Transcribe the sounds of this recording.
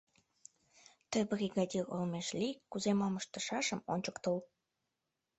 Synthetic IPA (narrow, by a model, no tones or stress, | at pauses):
t̪ə̆briɣɑd̪ʲilolmeʃlʲikuzemɑməʃt̪ə̆ʃɑʃəmonʲt͡ɕəkt̪əl